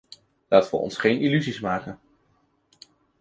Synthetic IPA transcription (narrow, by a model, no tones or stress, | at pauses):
laːtənʋə̰ɔ̰nsχejnilyzismaːkən